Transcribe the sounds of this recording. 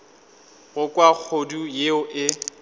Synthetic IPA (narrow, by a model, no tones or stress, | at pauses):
ɣʊkʼwak͡xʰodujeʊʔɪ